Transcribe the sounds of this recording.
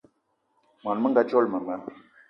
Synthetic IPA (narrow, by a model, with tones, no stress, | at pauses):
m˨a˨nmə˦ŋɡa˦t͡ʃɔ˦lmə˨mə˨˦